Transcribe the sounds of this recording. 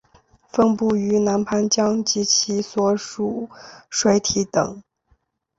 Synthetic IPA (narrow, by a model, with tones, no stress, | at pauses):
fə˥ŋpu˥˩y˧˥na˧˥npʰa˧˥nt͡ɕjɑ˥ŋt͡ɕi˧˥t͡ɕʰi˧˥swɔ˧˥ʂu˨˩ʂwe˧˥ɪt̪ʰi˧˥t̪ɤ̰˨˩˦ŋ